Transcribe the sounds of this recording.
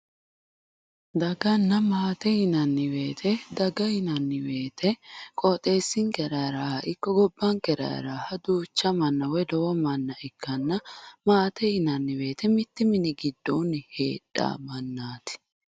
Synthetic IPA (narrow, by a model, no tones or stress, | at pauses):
d̪ɐɡɐnːɐmaːt̪ɛhɪnɐnːɪwe̞ːt̪ʰɛd̪ɐɡɐhɪnɐnːɪwe̞ːt̪ʰɛkʼɔːt̪ʼe̞ːsːɪŋkɛɾɐjɾaːhʔɪkːɔɡɔbːɐŋkɛɾɐ̰ɾaːhɐd̪uːt͡ʃːɐmɐnːɐwɛd̪ɔwɔmɐnːɐʔɪkːɐnːɐmaːt̪ɛhɪnɐnːɪwe̞ːt̪ʰɛmɪt̪ːɪmɪnɪɡɪd̪ːoːnɪhe̞̰ːɗːa̰ːmɐnːaːt̪ɪ̥